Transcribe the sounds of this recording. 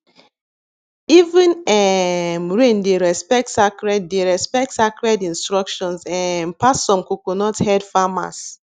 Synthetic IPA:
ivĩnɛmɹẽndeɹɛspɛk̚tsakɹɛd̚deɹɛspɛk̚tsakɹɛdĩnstɹɔkʃɔ̃nsɛ̃npasɔ̃mkokonɔthɛdfama̰s

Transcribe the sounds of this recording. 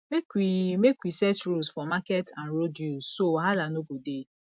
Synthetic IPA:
mekimekʷwisɛt͡ʃɾusfɔmakɛtʰãnɾodjusoɦalanoɡude

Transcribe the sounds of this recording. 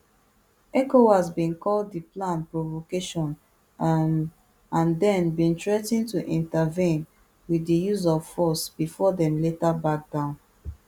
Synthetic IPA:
ɛkowasbĩnkɔlddiplãnpɹovokeʃɔ̃n | ãndɛ̃nbĩntɹɛtĩntuʔĩntəvĩn | wiðdijuzɔv̥fɔsb̥ifɔdɛ̃mletabak̚d̥ãʊ̃n

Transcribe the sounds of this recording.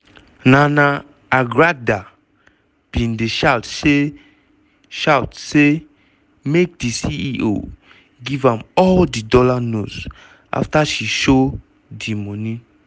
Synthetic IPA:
nãna | aɡɹada | b̥ĩndeʃawtse | ʃawtse | mek̚disiiʔo̰ | ɡivãmɔldidɔlanos | ʔa̰ftaʃiʃo | dimɔnĩ

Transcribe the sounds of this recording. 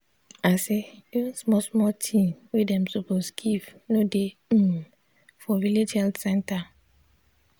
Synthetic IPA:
asejĩnsmɔsmɔtʰĩmwedɛ̃msoposɡ̥ivnode | fɔ̃viled͡ʒhɛltsɛ̃nta

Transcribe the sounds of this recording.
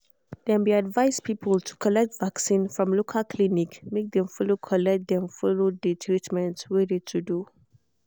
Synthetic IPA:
d̪̥ɛ̃nbiadvaɪzpʰipʰəltʰu̥kʰɔlɛk̚tvaksĩnfɹɔ̃mlokʰəlkʰlinikmek̚d̪ɛ̃mfɔlokʰɔlɛk̚d̪ɛ̃mfɔlodətʰɹitmɛ̃ntwedetʰudu

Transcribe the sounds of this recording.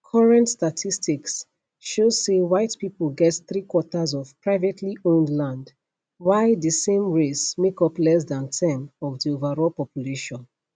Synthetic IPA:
kʰɔɹɛ̃ntstatʰistiks | ʃozsewaɪtpipəlɡɛtθɹikwɔtazɔv̥pɹaɪvɛtʰliʔõndlãnd | waɪdəsẽmɹesmekɔplɛs̬dãntʰɛ̃mɔvdiovaɹɔlpɔpjuleʃɔ̃n

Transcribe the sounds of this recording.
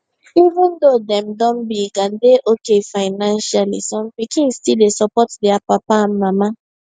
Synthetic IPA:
ivũndodɛ̃mdɔ̃nbiɡãndeʔokefaɪnãnʃalḭsɔ̃mpikĩnstildesɔpɔtdɛapapaãnmama

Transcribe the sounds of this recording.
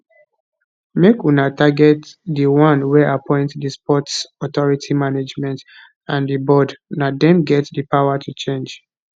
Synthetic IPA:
mekunataɡɛtdiwãnwɛapʰɔ̃ɪ̃ntdispɔtsɔtɔɹitʰimaned͡ʒmɛ̃nt | ãndibɔdnadɛ̃mɡɛtdəpawatʰut͡ʃẽnd͡ʒ

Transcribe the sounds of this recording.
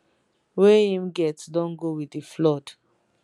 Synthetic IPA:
weĩmɡɛtsdɔ̃nɡowidiflɔd̥

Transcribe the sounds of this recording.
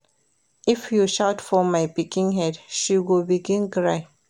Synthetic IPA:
ifjuʃaʊtfɔmaɪpikĩŋɦɛdʃiwilbiɡĩnɡɹaɪ

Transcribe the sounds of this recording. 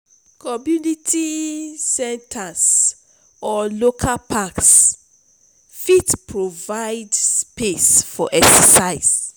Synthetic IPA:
kʰɔmjunitʰisɛ̃ntʰas | ɔlokʰalpʰaks | fitpʰɹovaɪdspesfɔʔɛksɛsaɪs

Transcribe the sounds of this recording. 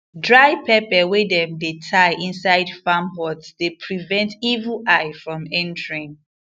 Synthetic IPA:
dɹaɪpɛpɛwedɛ̃mdetʰaɪʔĩnsaɪdfamɦɔtsdepʰɹivɛ̃ntivəlʔaɪfɹɔ̃mɛ̃ntɹĩŋ

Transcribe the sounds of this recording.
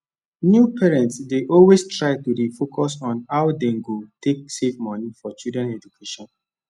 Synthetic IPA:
njupɛɹɛ̃ntsdeʔɔlwestɹaɪtudefokʰɔsɔ̃nawdẽŋɡotʰek̚sefmɔnifɔt͡ʃudɹɛ̃nɛd͡ʒukʰeʃɔ̃n

